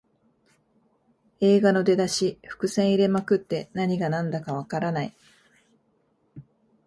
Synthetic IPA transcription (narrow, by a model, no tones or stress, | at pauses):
e̞ːɡano̞d̪e̞d̪aɕiɸɯ̟̥kɯ̟sẽ̞ɰ̃iɾe̞makɯ̟t̪ːe̞naɲ̟iɡanãnd̪akaβ̞akaɾanai